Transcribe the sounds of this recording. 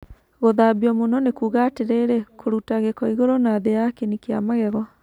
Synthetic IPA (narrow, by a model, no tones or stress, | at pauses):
ɣoðabiɔmonɔnekuːɣateɾeɾekʰoɾutaɣekɔiɣoɾonaðejakenikeamaɣɛɣɔ